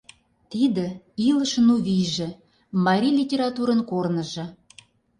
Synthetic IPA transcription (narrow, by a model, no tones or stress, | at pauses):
t̪id̪ə̆ | ilə̆ʃə̆nuβiʒĕ | mɑɾʲilʲitʲeɾɑt̪uɾənkornə̆ʒɤ̆